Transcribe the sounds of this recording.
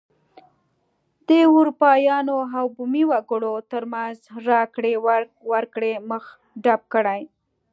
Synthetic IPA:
d̪əuɾupɑjɑnoɦawbumiwaɡəɽot̪əɾmanzɾɑkɽe | waɾkɽeməx | ɖab̚kəɽaj

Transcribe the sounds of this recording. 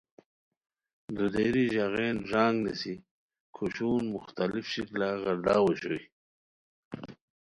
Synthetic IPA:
d̪ud̪eɾiʑaɣeːnʐaːŋɡnisi | kʰuɕuːnmʊxt̪alifɕiklaɣaɾd̪aːwoɕoj

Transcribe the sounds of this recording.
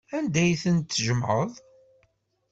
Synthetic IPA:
ænd̪æjθənt̪ːəʒəmʕəðˤ

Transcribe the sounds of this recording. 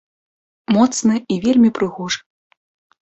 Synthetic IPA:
mɔt̪snɨivʲelʲmʲipɾɨɣɔʐɐ̥

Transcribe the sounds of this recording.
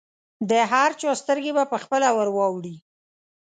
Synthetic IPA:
d̪əɦaɾt͡ʃost̪əɾɡebapəxpəlawəɾwɑwɽi

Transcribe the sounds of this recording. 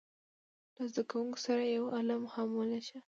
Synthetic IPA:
lazd̪akawuŋko̥saɾajawalamhamwəlaʃa

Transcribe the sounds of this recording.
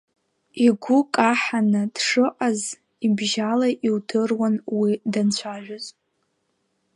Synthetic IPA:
iɡʷʊkʼaħanɨd̥ʂɨʔʼaz | ibʒalaʔiwdʰɨrwanwidant͡ɕʷʰaʒʷᶣazʼ

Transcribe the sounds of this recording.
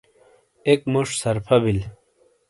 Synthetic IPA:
ekmuʂsɐɾpʰɐbil

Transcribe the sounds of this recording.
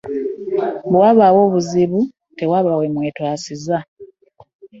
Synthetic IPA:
bwaːβawo̞ːβuziβu | te̞waːβawemweːtwaːsiza

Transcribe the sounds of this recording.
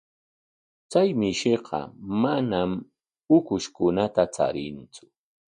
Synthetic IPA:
t͡sajmɪʃɪqɑ̰manam | ʊkʊʃkʊnat̪at͡sa̰ɾɪnt͡sʊ̥

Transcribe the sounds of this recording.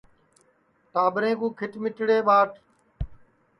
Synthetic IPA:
ʈaːɓɾẽːkũːkʰɪʈmɪʈɽeːɓaːʈ

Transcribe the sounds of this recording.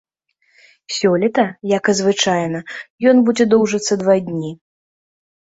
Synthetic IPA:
sʲɔlʲɛt̪ɐjakɐzvɨt͡ʂajnɐjɔnbud͡zʲɛd̪ɔwʐɐt̪sːɐd̪vad̪ʲnʲi

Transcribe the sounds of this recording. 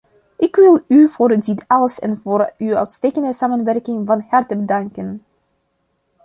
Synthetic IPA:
ʔɪkʋɪlˠyv̥oːrəditɑləsɛ̰nvoːrywœ̰ɥtsteːjkəndəsaːmənʋɛrkɪŋvɑnhɑrtəbədɑŋkən

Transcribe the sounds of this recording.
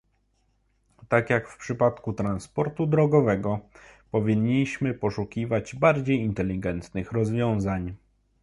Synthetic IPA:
t̪akjakfpʂɘpat̪kut̪ɾanspɔɾt̪ud̪ɾɔɡɔvɛɡɔpɔvʲiɲːiɕmɘpɔʂukʲivad͡ʑbaɾd͡ʑejint̪ɛlʲːiɡɛnt̪nɘxɾɔzvʲjɔ̃w̃zaɲ

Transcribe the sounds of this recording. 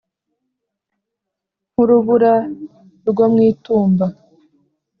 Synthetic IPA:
muɾuβuɾa | ɾɡomŋiːtuːmba

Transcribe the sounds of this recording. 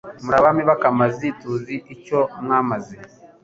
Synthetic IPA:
muɾaβamiβakamazituziʔicomŋaːmazi

